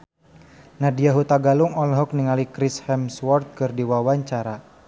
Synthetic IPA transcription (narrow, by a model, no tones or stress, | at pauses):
nadiaɦut̪aɡaluŋɔlɦɔk̚niŋalikɾishɛmswɔrt̪̚kɨrdiwawaɲt͡ʃaɾa